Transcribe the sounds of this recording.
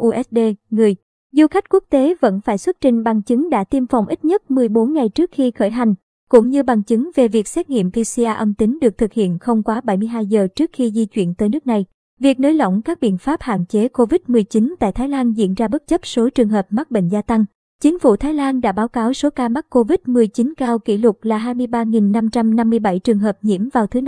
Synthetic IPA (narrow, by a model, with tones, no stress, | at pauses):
ʔu˧ʔɛ˦˥t̚ɗe˧ŋɨ˨˩əj | zu˧xa˦˥jk̟̚ku˦˥ək̚t̪e˨˦və̰˧˥nfaː˧˩jswə˦˥t̚t͡ɕï˨˩ŋ̟ɓa˨˩ŋt͡ɕɨ˨˦ŋɗa̰ː˧˥t̪i˧mfa˨˩wŋ͡mʔi˦˥t̚ɲə˦˥t̚mɨ˨˩əjɓo˨˦nŋa˨˩jt͡ɕɨ˦˥ək̚xi˧xəː˧˩jɦa˨˩jŋ̟ | kʊ̰˧˥ŋ͡mɲɨ˧ɓa˨˩ŋt͡ɕɨ˨˦ŋve˨˩vi˨˩ək̚sɛ˦˥t̚ŋḭ˧˨əmvi˧si˧ʔaː˧ʔə˧mt̪ï˨˦ŋɗɨ˨˩ək̚t̪ʰɨ˨˩k̚hḭ˧˨ənxə˧wŋ͡mkwaː˨˦ɓa˧˩jmɨ˧əjɦaː˧jzəː˨˩t͡ɕɨ˦˥ək̚xi˧zi˧t͡ɕwḭ˧˨ənt̪əː˨˦jnɨ˦˥k̚na˨˩j | vi˨˩ək̚nəː˨˦jlə̰˧˨wŋ͡mkaː˦˥k̚ɓḭ˧˨ənfaː˦˥p̚ha̰ː˧˨nt͡ɕe˨˦ko˧vi˦˥t̚mɨ˨˩əjt͡ɕi˨˦nt̪a̰ː˧˨jt̪ʰaː˨˦jlaː˧nzḭ˧˨ənzaː˧ɓə˦˥t̚t͡ɕə˦˥p̚so˨˦t͡ɕɨ˨˩ŋɦəː˨˩p̚ma˦˥t̚ɓḛ˧˨ŋ̟zaː˧t̪a˧ŋ | t͡ɕi˨˦ŋ̟fṵ˧˩t̪ʰaː˨˦jlaː˧nɗa̰ː˧˥ɓaː˨˦wkaː˨˦wso˨˦kaː˧ma˦˥k̚kːo˧vi˦˥t̚mɨ˨˩əjt͡ɕi˨˦nkaː˧wkḭ˧˩lʊ˨˩t̚laː˨˩ɦaː˧jmɨ˧jɓaː˧ŋi˨˩nːa˧mt͡ɕa˧mna˧mːɨ˧əjɓa˧˩jt͡ɕɨ˨˩ŋɦəː˨˩p̚ɲḭ˧˥əmvaː˨˩wt̪ʰɨ˨˦